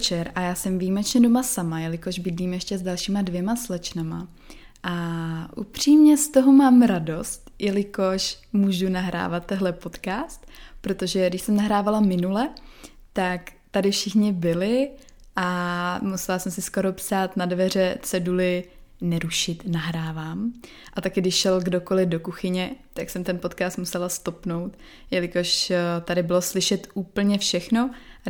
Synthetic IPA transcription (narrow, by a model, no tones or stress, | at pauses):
t͡ʃɛɾʔajaːsɛmviːmɛt͡ʃɲɛdo̞masamajɛlɪko̞ʒbɪdliːmjɛʃcɛzdalʃiːmadvjɛmaslɛt͡ʃnama̰ | ʔaʔṵpr̝̥iːmɲɛst̪o̞ɦomaːmɾado̞st̪jʔɛlɪko̞ʃmuːʒunaɦɾa̰ːvat̪ːɛɦlɛpo̞t̪kaːst̪pɾo̞t̪o̞ʒɛdɪʃsɛmnaɦɾaːvalamɪnulɛ | t̪ak | t̪adɪfʃɪxɲɪbɪlɪ | ʔamusɛlasɛmsɪsko̞ɾo̞psaːt̪nadvɛr̝ɛt͡sɛdulɪnɛɾuʃɪt̪naɦɾaːvaːm | ʔat̪akɪdɪʃʃɛlɡdo̞ko̞lɪdo̞kuxɪɲɛt̪aksɛmt̪ɛnpot̪kaːst̪musɛlast̪o̞pno̞wt̪ | jɛlɪko̞ʃt̪adɪbɪlo̞slɪʃɛt̪uːpl̩ɲɛfʃɛxno̞